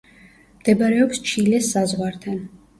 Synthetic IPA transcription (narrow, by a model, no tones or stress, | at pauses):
md̪̥ɛbaɾɛɔpst͡ʃʰilɛsazʁwaɾt̪ʰan